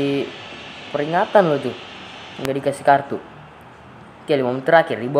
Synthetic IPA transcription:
i | pəɾiŋat̪anlɔt̪uŋɡadikasi̥kart̪u | kialimamt̪əɾakɪrdiba

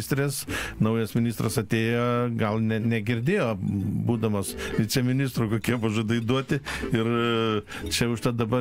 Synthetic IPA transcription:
ɪsʲt̪ʲɾʲeːsnɐʊjɛsmʲɪnʲɪst̪rɐsɐt̪ʲeːjoːɡɐlˠnʲɛnʲɛɡʲɪɾʲd̪ʲeːjoːbuːd̪ɐmoːsʋʲɪt͡sʲɛmʲɪnʲɪst̪ɾuːkoːkʲiɛpɐʒoːd̪ɐɪd̪uɔt̪ʲɪɪr | t͡ʃʲɛʊʃt̪ɐt̪d̪ɐbɐ

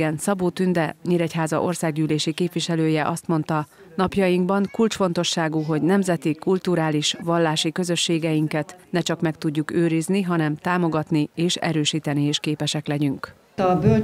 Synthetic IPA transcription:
ɛnsɒboːt̪ynd̪ɛɲeːɾɛchaːzɒ̰ʔo̞rsaːɡɟyːleːʃikeːpʋiʃɛløːjɛʔɒst̪mo̞nt̪ɒ | nɒpjɒjiŋɡbɒŋkult͡ʃfo̞nt̪o̞ʃːaːɡuɦo̞ɟnɛmzɛt̪ikult̪uɾaːliʃʋɒlːaːʃikø̞zø̞ʃːeːɡɛjiŋkɛt̪nɛt͡ʃɒkmɛk̚t̪uɟːukøːɾizniɦɒnɛmt̪aːmo̞ɡɒt̪nieːʃɛ̰ɾøːʃiːt̪ɛnieːʃkeːpɛʃɛklɛɟyŋk | ɒbøl

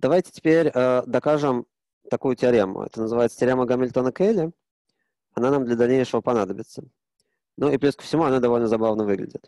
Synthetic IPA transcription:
d̪̥ɐvajtʲɪ̥tʲɪ̥pʲeɾʲəd̪ɐkaʐɨm | t̪ɐkujʊtʲɪɐɾʲemːʊ̰ɛ̰t̪ənəzɨvajɪt̪sə̥tʲɪɾʲeməɡəmʲɪlʲt̪onəkelʲɪ | ɐnanamd̪lʲəd̪ɐlʲnʲejʂəvəpɐnad̪əbʲɪt̪sːə | nuiplʲeskə̥fsʲɪmuɐnad̪ɐvo̞lʲnəzɐbavnəvɨɡlʲɪ̰dʲɪt̪

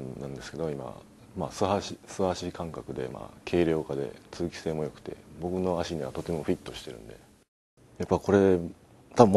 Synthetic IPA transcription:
nãnd̪e̞sɨ̥ke̞d̪o̞ima̰ | maːsɨhaɕisɨhaɕikãŋkakɯ̟d̪e̞̰ma̰ːkʰe̞ːɾʲjo̞ːkad̪e̞̰t͡sɨːkʲi̥se̞ːmo̞jo̞kɯ̟̥t̪e̞̰bo̞kɯ̟no̞aɕiɲ̟iβ̞at̪o̞t̪e̞mo̞ɸɯ̟ɾʲit̪ːo̞ɕi̥t̪e̞ɾɯ̟̃nd̪e̞̰ | japːako̞ɾe̞ | t̪abɯ̟m

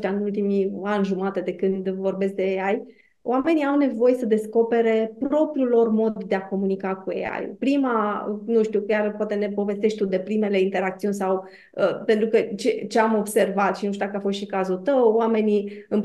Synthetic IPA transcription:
t̪ʲaɨnult̪̬imianʲʒumat̪ed̪e̞kɨnd̪vo̞rbe̞sk̚d̪eeaj | oame̞niawne̞vo̞jesəd̪e̞sko̞pe̞ɾe̞pɾo̞pɾjulo̞rmo̞d̪ːe̞ako̞munikakuḛa̰jpɾimanuʃt̪iukʲjarpwat̪e̞ne̞po̞ve̞st̪eʃt̪ʲt̪ud̪e̞pɾime̞le̞int̪e̞ɾak̚t̪siunʲsaw | əpe̞nt̪ɾukət͡ʃet͡ʃe̞amo̞bse̞rvat̪ʃinuʃ̬t̪ud̪akəafo̞st̪ʃikazut̪əwwame̞niɨn

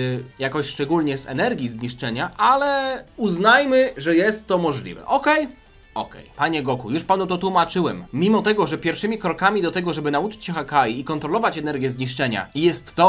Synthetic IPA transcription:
jakɔɕʂt͡ʂɛɡulʲɲɛsɛ̰nɛɾɡʲizɲiʂt͡ʂɛɲaʔalɛuznajmɘʐɛjɛst̪ːɔmɔʐlʲḭvɛ̰ʔɔkɛj | ɔ̰kɛ̰jpaɲɛɡɔkujuʂpanut̪ɔt̪wumat͡ʂɘwɛmːʲimɔt̪ɛɡɔʐɛpʲjɛɾfʂɘmʲikɾɔkamʲid̪ɔt̪ɛɡɔʐɛbɘnaut͡ʂɘ̥t͡ɕxakajiːkɔnt̪ɾɔlɔvat͡ɕɛnɛɾɡʲjɛzɲiʂt͡ʂɛɲa̰jɛst̪ːɔ

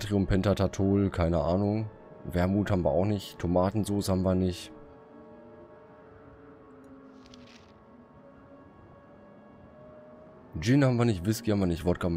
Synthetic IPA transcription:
tʁiʊmpʰɛntatʰatʰoːlkʰaɪnəʔaːnʊŋ | vɛɐmuːthaːbm̩viɐʔa̰ʊxnɪçtʰomaːtn̩zoːshaːbm̩viːɐnɪçt | d͡ʒɪnhabm̩viːɐnɪçtv̥ɪskihabm̩viɐnɪçtv̥ɔtɡ̥am

